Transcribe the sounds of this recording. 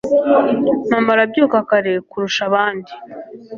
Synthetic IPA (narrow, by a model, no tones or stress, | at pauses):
mamaɾabɟuːkakaɾe̞kuɾuʃaβaːndi